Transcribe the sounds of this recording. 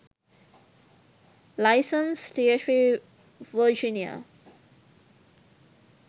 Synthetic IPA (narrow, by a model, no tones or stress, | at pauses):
laɪsə̃nst̪ʰiəʈʰɾi | ʋəd͡ʒinia̰